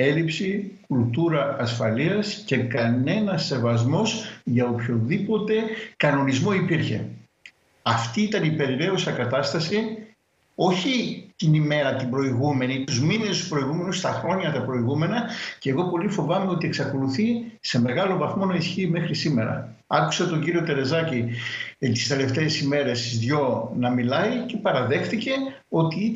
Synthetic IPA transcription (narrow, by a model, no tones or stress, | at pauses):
e̞lipsikult̪uɾɐɐsfɐliɐsce̞kɐne̞nɐse̞vɐzmo̞sʝɐopço̞ðipo̞t̪e̞kɐno̞nizmo̞ipiɾçe̞̰ | ɐft̪iit̪ɐnipe̞ɾiɾe̞osɐkɐt̪ɐst̪ɐsi | o̞çit̪inime̞ɾɐt̪ibɾo̞iɣume̞nit̪uzminest̪uspɾo̞iɣume̞nust̪ɐxɾo̞ɲɐt̪ɐpɾo̞iɣumenɐceɣo̞po̞lifo̞vɐmeo̞t̪ieksɐko̞luθise̞me̞ɣɐlo̞vɐθmo̞nɐisçiːme̞xɾisime̞ɾɐ̰ | ɐku̥set̪o̞ɲɟiɾio̞t̪e̞ɾe̞zɐci | t̪i̥st̪e̞le̞ft̪e̞ːsime̞ɾe̞sizðʝo̞nɐmilɐice̞pɐɾɐðe̞xθice̞ | o̞t̪iit̪